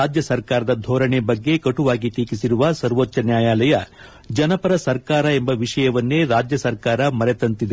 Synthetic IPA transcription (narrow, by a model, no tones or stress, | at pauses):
aːd͡ʒjɐsɐɾkaːɾɐd̪ɐd̪ʱɔːɾɐɳebɐɡːe̞kɐʈuʋaːɡit̪iːkisiɾuʋɐsɐɾʋott͡ʃɐnjaːjaːlɐjɐ | d͡ʒɐnɐpɐɾɐsɐɾkaːɾɐe̞mbɐʋiʂɐjɐʋɐnːe̞ːɾaːd͡ʒjɐsɐɾkaːɾɐmɐɾet̪ɐnt̪id̪e